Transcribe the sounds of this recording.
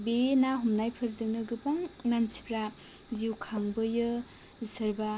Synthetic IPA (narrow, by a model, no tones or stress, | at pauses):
benaɦumnajpʰɯɾzɯŋnɯɡɯpaŋnansi̥pʰɾa | ziwkʰaŋbɯjɯ | sɐɾba